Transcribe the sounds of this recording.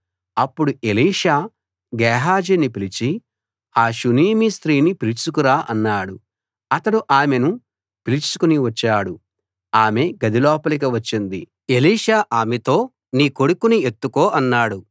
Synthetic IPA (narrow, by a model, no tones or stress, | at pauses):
ɐpːuɽuʔeliːʂaː | ɡɛːɦaːd͡ʒinipilit͡ʃi | aːʃuniːmist̪ɾiːnipilit͡ʃukuɾaːʔɐnːaːɽu | ɐt̪ɐɽuʔaːme̞nu | pilit͡ʃu̥kuniʋɐt͡ʃːaːɽu | aːme̞ɡɐd̪ilɔːpɐlik̬iʋɐt͡ʃːind̪i | e̞liːʂaːʔaːmet̪o̞ː | niːkoɽukunie̞t̪ːukoːʔɐnːaːɽu